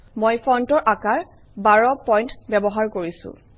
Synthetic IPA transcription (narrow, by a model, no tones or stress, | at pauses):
mojpʰɔntɔɹʔakaɹ | baɹɔpɔjntbɛbɔɦaɹkoɹisʊ̰̃